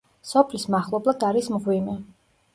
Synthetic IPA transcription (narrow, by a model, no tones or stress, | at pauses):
sɔpʰlismaχlˠɔblˠad̪aɾismʁwimɛ